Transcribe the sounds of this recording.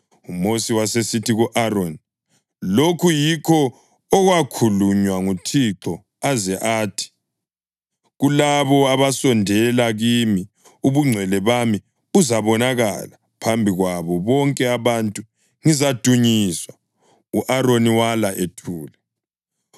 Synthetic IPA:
umosiwasesitʰiɣuʔaɾoni | lokʰujikʰɔː | ɣwakʰuluɲwaŋutʰiǁɔ | azɛʔaːtʰi̥ | ɣulaβɔaβasɔndʱɛlaɣimi | uβuŋ͡ǀʱwɛlɛβami | uzaβɔnaɣa̰la | pʰambʱiɣwaβɔβɔŋkʼɛaβantʼu | ŋizad̥ʱuɲiswa | uʔaɾoniwalaʔetʰuːlɛ

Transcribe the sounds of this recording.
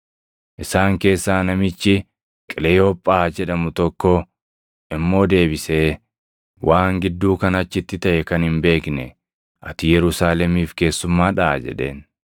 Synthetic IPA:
ʔɪsaːŋke̞ːsːaːnɐmɪt͡ʃːɪ | kʼɪlɛɔpʼːaːd͡ʒɛᶑɐmʊt̪ɔkːɔ | ʔɪmːo̞ːd̪e̞ːbɪseː | wʔaːŋɡɪd̪ːuːkɐnɐt͡ʃːɪt̪ːɪt̪ɐʔɛkɐnhɪmbe̞ːknɛ | ʔɐt̪ɪjɛɾʊsaːlɛmiːfke̞ːsːʊmːaːᶑaːd͡ʒɛ̰ᶑe̞̰ːn

